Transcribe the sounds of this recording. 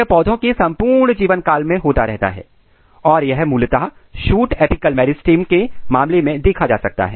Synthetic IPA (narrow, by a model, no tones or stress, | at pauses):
əpɔːd̪ʱõkesɐ̃mpuːɾɳd͡ʒiːʋənkaːlmẽɦoːt̪aɾɛɦt̪a̰ɦɛ̰ː | ɔːɾjɐɦmuːlt̪a | ʃuːʈeːpikəlmɛːɾɪsʈiːmkemãːmlemẽd̪eːkʰad͡ʒaːsɐk̚t̪a̰ɦɛ̰ː